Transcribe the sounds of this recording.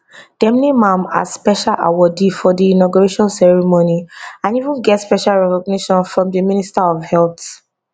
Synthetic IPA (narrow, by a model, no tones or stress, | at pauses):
d̥ɛmnimãma̰spɛʃalʔa̰wɔdifɔdiːnɔɡuɹeʃɔ̃nsɛɹimoniãnivũnɡɛtspɛʃalɹɛkɔɡ̚niʃɔ̃nfɹɔ̃mdəmĩnistaɔvhɛlt